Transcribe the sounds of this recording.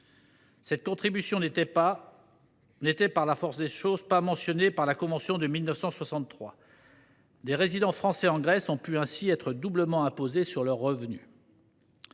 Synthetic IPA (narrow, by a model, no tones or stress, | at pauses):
sɛt̪̚kɔ̃t̪χibysjɔ̃neɛ | net̪ɛpaʁlafɔʁsd̪eʃozpamɑ̃sjɔnepaʁlakɔ̃vɑ̃sjɔ̃d̪əmilnəfsɑ̃swasɑ̃t̪ːχwa | d̪eʁezid̪ɑ̃fχɑ̃sɛɑ̃ɡʁɛsɔ̃pyɛ̃siɛt̪χəd̪ubləmɑ̃ɛ̃pozesyʁlœʁːəvny